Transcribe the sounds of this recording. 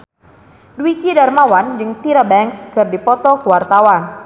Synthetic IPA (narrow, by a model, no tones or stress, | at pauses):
dwikidarmawand͡ʒɨŋt̪iɾabɛŋkskɨrdipɔt̪ɔkəwart̪awan